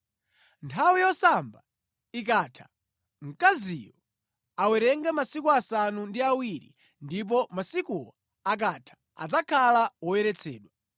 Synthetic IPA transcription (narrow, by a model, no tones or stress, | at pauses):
ntʰawijɔsamba | ik̬atʰḁ | ŋ̩kazijɔ | awɛɾɛŋɡamasikuasanundiawiɾḭ | ndip̬ɔmasikuɔ | ak̬atʰḁ | a̰d͡zakʰalawɔjɛɾɛt͡sʰɛ̰ːɗwa